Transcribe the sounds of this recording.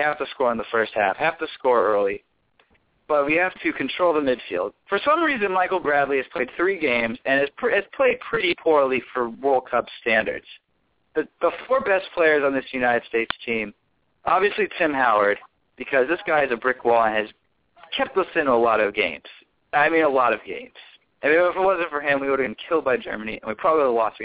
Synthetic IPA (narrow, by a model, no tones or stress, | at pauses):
hæftɨskɔɹə̃nðəfɜ˞st̚hæ̰fhæftɨskɔɹɜ˞lˠi | b̥ʌt̚wihæftʰɨkʰn̩tʰɹ̥oʊlˠðəmɪd̥fḭlˠd̥̚fə˞sʌ̃mɹizɨ̃nmaɪkl̩ˠɡɹædˡliɨz̥pʰl̥eɪd̪̚θɹiɡẽɪ̃mzɨ̃nɨz̥pɨz̥pʰl̥eɪd̚pʰɹ̥ɪɾipʰɔɹlˠifə˞wɔlˠkʰʌb̥stæ̃ndə̰˞dz̥ | b̥ʌt̚b̥əfɔɹbɛspʰl̥eɪə˞zn̩ðɪsjʉnaɪɾɨd̥steɪtstʰĩm | ʔɑbviɨslitʰɪ̃mɦaʊə˞d̚ | b̥ɨkʰʌzðɪsɡ̥aɪɨzɨbɹɪkwɔlˠə̃nɨz | kʰɛp̚t̪̚ðʌsɪ̃nəlɔɾʌvɡḛ̃ɪ̃mz̥ | aɪmĩnəlɔɾʌvɡḛ̃ɪ̃mz̥ | aɪmĩnəfəwʌzɨ̃ntfə˞ɨ̃mwioʊɾɨɨ̃nkʰɪlˠd̚baɪd͡ʒɜ̰˞mɨniɨ̰̃nwipʰɹ̥ɑbəblˠilɔst